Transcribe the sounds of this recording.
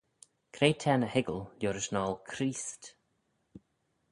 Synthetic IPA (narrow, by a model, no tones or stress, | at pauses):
kʰɾeːtʰɛːnəhɪɡəlljoːɾɪʃnɔːlˠkʰɾiːst